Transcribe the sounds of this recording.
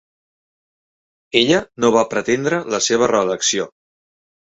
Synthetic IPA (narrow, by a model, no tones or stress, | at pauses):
eʎənoβ̞apɾət̪end̪ɾələseβ̞ərəːləksio